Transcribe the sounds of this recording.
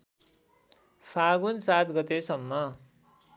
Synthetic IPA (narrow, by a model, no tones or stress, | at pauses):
pʰaɡunsat̪ɡʌt̪esʌmːʌ